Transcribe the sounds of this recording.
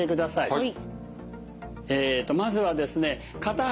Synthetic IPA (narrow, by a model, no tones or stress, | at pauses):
e̞kɯ̟d̪asaḭ | eːt̪ːo̞mazɨβad̪e̞sɨne̞ | kat̪a